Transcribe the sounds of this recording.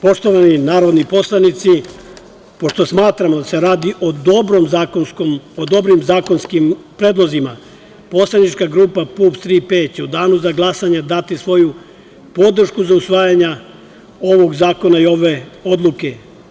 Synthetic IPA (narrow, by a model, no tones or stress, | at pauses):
po̞ʃt̪oʋaninaːɾo̞d̪nipo̞slˠanit̪si | po̞ʃt̪o̞smaːt̪ɾamod̪ase̞ɾaːd̪iʔod̪obɾomzakonskomod̪o̞bɾimzaːkonskimpɾeːd̪lˠo̞zima | po̞slˠad̪nit͡ʃkaɡɾuːpapupst̪ɾipeːt͡ɕeud̪aːnuzaɡlˠasaɲad̪at̪isʋo̞ju | po̞d̪r̩ʃkuzausʋaːjaɲa | o̞ʋo̞ɡzaːko̞naio̞ʋe̞o̞d̪lˠuke̞